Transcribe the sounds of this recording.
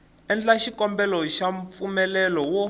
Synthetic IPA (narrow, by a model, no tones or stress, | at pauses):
ɛnd͡ɮaʃikɔmbɛlɔʃaɱp̪fumɛlɛlɔwɔ